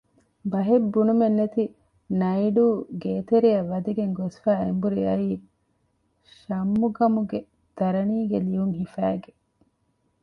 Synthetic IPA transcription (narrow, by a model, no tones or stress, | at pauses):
bɐɦebːunumenːet̪i | nɐiɖuːɡeːt̪eɾiɐʋːɐd̪iɡeŋɡosfæːembuɾiɐiː | ʃɐmːuɡɐmuɡe | d̪̥ɐɾɐniːɡelijuŋɦifæːɡe